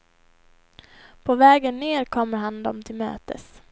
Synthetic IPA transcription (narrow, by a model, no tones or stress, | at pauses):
pʰɔvɛːɡənːeːɾkʰɔmːəɾɦand̪ɔmt̪ʰɪlmø̰ːt̪ə̰s